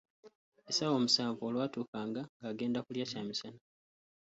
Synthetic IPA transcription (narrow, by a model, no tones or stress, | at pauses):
esawo̞ːmusaːɱvuolwatuːkaːŋɡaŋɡaːɡe̞ːndakuljacaːmisana